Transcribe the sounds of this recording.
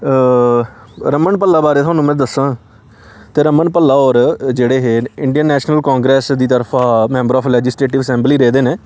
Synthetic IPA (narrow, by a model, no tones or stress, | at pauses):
ɾəməɳpəlːaːbaːɾeːt̪ʰʊaːnũːmɛ̃ːd̪əsãː | t̪eːɾəməɳpəlːaːɔːɾd͡ʒeːɽeːɦeːɪɳɖijənːɛːʃnəlkɔ̃ːŋɡɾɛːsd̪iːt̪əɾpʰaːmɛ̃ːmbəɾɔːpʰlɛːd͡ʒɪsleːʈɪʋəsɛ̃ːmbliːɾeːd̪eːneː